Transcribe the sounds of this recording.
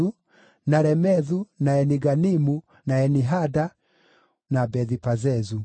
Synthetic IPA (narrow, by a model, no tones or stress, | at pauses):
u | naɾɛmɛðunaɛniɡanimu | naɛniɦada | nabɛðipazɛzu